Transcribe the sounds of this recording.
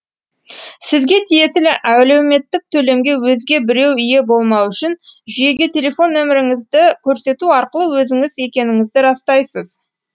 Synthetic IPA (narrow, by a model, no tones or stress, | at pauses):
sɪzɡʲe̞t̪ʰije̞t̪ɪlɪʔæwle̞wme̞t̪ːɪk̚t̪ʰɵle̞mɡʲe̞wɵzɡʲe̞bɪɾe̞wʏje̞bo̞lˠmɑwʏʃɪnʒʏje̞ɡʲet̪ʲʰe̞le̞fo̞nːɵmɪɾɪŋɪzd̪ɪkʲʰɵɾse̞t̪uɑɾqəlˠəwɵzɪŋɪze̞kʲe̞nɪŋɪzd̪ɪɾɑst̪ɑjsəz